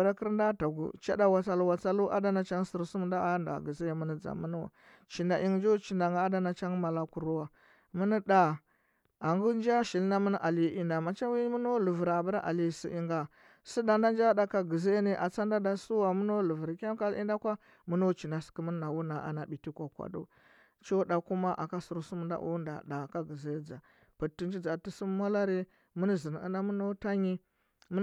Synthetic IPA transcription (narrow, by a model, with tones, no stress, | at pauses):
ɾa˦kə˦ɾda˦ta˨ɡṵ˨t͡ʃa̰˦da˦wa˨t͡sa˦lu˦wa˨t͡sa˦lu˦ʔa̰˦da˦na˦t͡ʃa˦ŋ˦si˨ɾsu˦m˨˦da˦nda̰˨ɡə˨zi˦a˨mu˦ni˦d͡za̰˨mu˦nu˦wa̰˨ | t͡ʃi˨nda˨ʔi˦ŋ˦d͡ʒo˦t͡ʃi˨nda˨ŋ˨˦a˦da˦na˨t͡ʃa˦ŋma˨la˨ku˨ɾu˦wa˨ | mu˦ni˦da˨ | a˨ŋɡu˦nd͡ʒa˦ʃi˨lna˦mə˦n˦ʔa˨li˦i˦nda˨ma˨t͡ʃa˦wi˦mu˦no˦lu˨vu˨ɾa˨ba˦ɾa˦ʔa̰˨li˨sḭ˨ʔi˦ŋɡa˨ | si˦da˨nda˦nd͡ʒa˦da˨ka˦ɡə˨ze˦ne˦ʔa˨t͡sa˦nda˦da˦su˦wa˨mu˦no˦lu˨və˨ɾkʲa˦m˦ka˦lḭ˦nda˦kʷa˦ | mu˦no˦t͡ʃi˨na˨si̥˨kə˦mə˦n˦na˨wu˦na˨ʔa̰˨na˨bi˨ti˦kʷa˨kʷa̰˨do̰˦ | t͡ʃo˦da˨ku˦ma˦ʔa̰˨ka˦su˨ɾu˨su˦mə˨nda̰˦ʔṵ˦nda̰˨da˨ka˦ɡə˨ze˦d͡za˨ | pə˨tːi˨n˦d͡ʒi˦d͡za˨ti˦su˦m˦ma˦la˦ɾi˦ | mə˦n˦zə˨n˨ə̰˦na˦mu˦no˦ta˦ɲi˦ | m˦